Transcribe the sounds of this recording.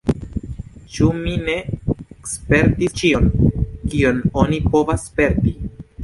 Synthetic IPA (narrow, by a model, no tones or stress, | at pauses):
t͡ʃumine̞ekspe̞ɾtist͡ʃio̞nkiono̞nipo̞vaspe̞ɾti